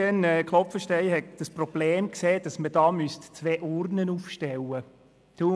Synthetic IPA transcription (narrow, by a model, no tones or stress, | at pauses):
ɛnɛkχlˠɔpfəʃtɛɪhɛkd̥əsprɔb̥leːmkseːd̥ɑsməd̥ɑːmystt͡sʋeːʔʊɾnənuːfʃtɛwə | d̥u